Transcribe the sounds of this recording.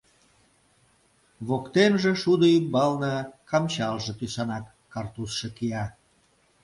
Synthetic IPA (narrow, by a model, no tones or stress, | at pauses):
βokt̪enʒĕʃud̪əymbɑlnəkɑmt͡ɕɑlʒĕt̪ysɑnɑt̪ | kɑrt̪usʃekijɑ